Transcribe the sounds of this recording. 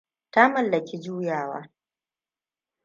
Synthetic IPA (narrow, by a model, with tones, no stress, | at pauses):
ta˦mɐ˨lːɐ˨kʲi˦d͡ʒuː˦jaː˨wa̰ː˦